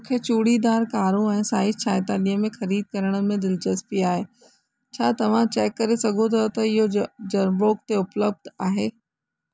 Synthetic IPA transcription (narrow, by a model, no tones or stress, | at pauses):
mũːkʰet͡ɕuːɽid̪aːɾkaːɾũɛ̃ːsaːɪt͡ɕʰaːɪt̪aːlijəmẽxɐɾiːd̪̚kɐɾəɽ̃ə̆mẽd̪ɪlt͡ɕɐspiaːɦe | t͡ɕʰaːt̪ɐʋ̤ãt͡ɕɛːkːɐɾesɐɡʱot̪ʰɐt̪ɐɪɦod͡ʑɐnboːkt̪eʊpləb̚d̪ʱaːɦeː